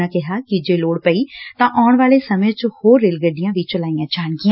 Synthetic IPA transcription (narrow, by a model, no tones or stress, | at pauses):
ãːkɪɦaːkɪd͡ʒeːloːɽpəiːt̪ãːʔaːɳ̃ʋaːleːsəmẽt͡ʃhoːɾːeːlɡəɖijãːʋiːt͡ʃəlaːijãːt͡ʃaːnkiãː